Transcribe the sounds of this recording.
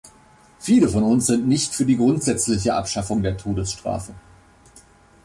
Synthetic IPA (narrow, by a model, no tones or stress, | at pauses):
fiːləfɔnʊnsz̥ɪntnɪçtfyːɐdiːɡʁʊntz̥ɛt͡slɪç̬əʔa̰pʃafʊŋdeːɐtʰoːdəsʃtʁ̥a̰ːfə